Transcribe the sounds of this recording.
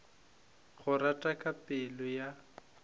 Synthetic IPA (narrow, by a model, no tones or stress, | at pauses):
ɣʊratʼakʼapʼɪlɔja